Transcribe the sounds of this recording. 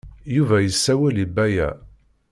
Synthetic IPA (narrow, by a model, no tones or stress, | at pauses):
juvæjəsːæwælibːæjæ̰